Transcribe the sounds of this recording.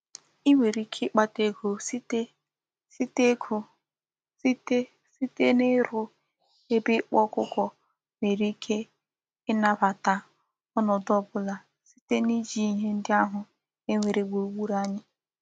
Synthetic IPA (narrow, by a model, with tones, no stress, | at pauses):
i˦ŋʷe˨ɾi˦kʰe˦k͡pa˦te˦kʰo˨si˦te˦ | si˦te˦kʰo˨ | si˦te˦ | si˦te˦nɪ˦ɾʊ˦ | e˦bɪ˦k͡pɔ˦kʊ˦kɔ˦ | me˨ɾi˦kʰe˦ | ɪ˦na˦βa˨ta˨ | ɔ˦nɔ˨dɔ˦bʊ˦la˨ | si̥˦te˦ni˦d͡ʒi˦i˦ɦe˦n̩˦dɪ˦a˦ɦʊ˨ | e˦ŋʷe˨ɾe˨ɡ͡bo˨ɡ͡bu˦ɾa˦ɲɪ˦